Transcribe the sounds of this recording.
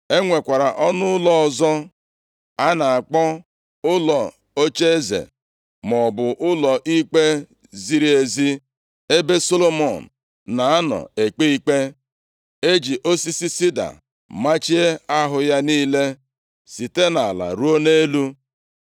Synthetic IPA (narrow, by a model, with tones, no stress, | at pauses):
e˦ŋʷe˨kʷa˨ɾa˨ʔɔ˦nʊ˦lɔ˦ɔ˨zɔ˦ | a˦na˨a˨k͡pɔ˦ | ʊ˦lɔ˨ | o˦t͡ʃe˦e˦zḛ˨ | mɔ˨bʊ˨ʔʊ˦lɔ˨ʔi˦k͡pe˦ | zi˨ɾi˦e˨zi˦ | e˦be˦so˦lo˦mɔ˨n̩˨ | na˨a˦nɔ̰˨e˨k͡pe˦i˦k͡pe˦ | e˦d͡ʒi˨ʔo˦si˦si˦si˦da̰˨ | ma˦t͡ʃi˦e˦a˦ɦʊ˨ja˦niː˦le˦ | si˨te˦na˨la̰˨ɾu˦o˦ne˦lu˦